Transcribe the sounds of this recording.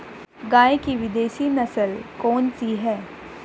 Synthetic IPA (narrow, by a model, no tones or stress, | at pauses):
ɡaːjkiʋɪd̪eːʃinɐsəlkɔːnsiɦɛː